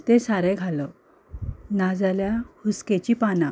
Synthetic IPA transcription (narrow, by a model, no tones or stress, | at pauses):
t̪esaɾeɡʱalə | nad͡zaljahusket͡ɕipanã